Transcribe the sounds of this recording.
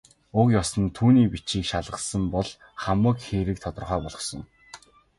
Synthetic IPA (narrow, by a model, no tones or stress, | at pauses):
ʊkjɔsə̆nt̪ʰuːniːpit͡ɕiːkʃaɮʁə̆sə̆mpɔɮ | χamə̆kxeːɾɘ̆k̚t̪ʰɔt̪ɞ̆rχœːpɔɮɞ̆χsɞ̆ŋ